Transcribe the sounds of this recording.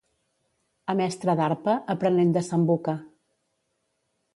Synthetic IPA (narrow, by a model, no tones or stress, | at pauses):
əmɛst̪ɾəðaɾpəʔəpɾənɛmd̪əsəmbukə